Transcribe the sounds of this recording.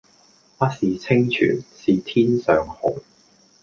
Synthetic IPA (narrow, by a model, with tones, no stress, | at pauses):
pɐ˥siː˨˩t͡sʰɪ˥ŋt͡ʃʰy̰ː˨˩nsiː˨˩t̪ʰiː˥nsœː˨ŋho˨˩ŋ